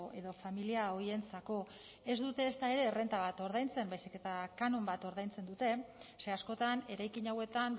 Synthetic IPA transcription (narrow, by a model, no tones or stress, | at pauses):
ʔe̞ðo̞familiao̞ie̞nt͡sako̞ | e̞zd̪ut̪e̞ːst̪ae̞ɾe̞re̞nt̪aβ̞at̪o̞ɾðajnt͡se̞mbajsike̞t̪akanombat̪o̞ɾð̞ajnt͡se̞nd̪ut̪e̞se̞asko̞t̪ane̞ɾajkiɲawe̞t̪an